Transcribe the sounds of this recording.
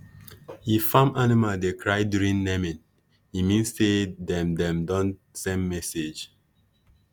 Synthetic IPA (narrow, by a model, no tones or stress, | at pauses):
hifãmanimaldekʰɹaɪdjuɹĩŋnɛmɛ̃n | himĩnsːedɛ̃mdɛ̃mdɔ̃n | sɛ̃nmɛsed͡ʒ